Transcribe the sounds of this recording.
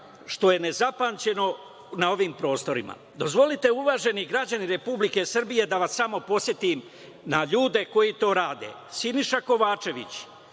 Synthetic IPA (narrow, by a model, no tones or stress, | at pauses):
ʃt̪o̞je̞ne̞zapaːnt͡ɕe̞no̞ | nao̞ʋimpɾo̞ːst̪o̞ɾḭma̰ | d̪o̞zʋo̞lit̪e̞uʋaːʒe̞niɡɾad͡ʑaniɾe̞publike̞sr̩bije̞d̪aʋasːamo̞po̞sje̞t̪im | naʎuːd̪e̞ko̞jit̪o̞ːɾaːd̪e̞̰ | siniʃako̞ʋaːt͡ʃe̞ʋḭt͡ɕ